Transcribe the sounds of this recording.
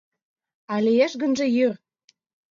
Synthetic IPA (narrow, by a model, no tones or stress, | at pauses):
ɑlijeʃɣə̆nʒĕjør